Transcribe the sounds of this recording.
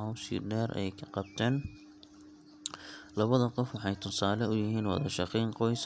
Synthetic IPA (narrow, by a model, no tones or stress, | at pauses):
ɐwsḭːɖɛːrɛ̰jkʰɐqɑb̚t̪ʰɛːn | lɐβɐðɐqɔfwɑħɑjt̪ʰʊsaːlɛʊjɪɦiːnwɑ̰ðɐʃɑqiːnqɔjs